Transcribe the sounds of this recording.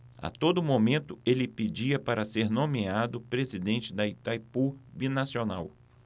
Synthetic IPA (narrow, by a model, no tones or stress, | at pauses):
a̰t̪od̪ʊmomẽnt̪ʊelɪped͡ʒiɐpaɾɐseɾnõmead̪ʊpɾezid̪ẽnt͡ʃɪd̪ɐit̪ajpubinasionaw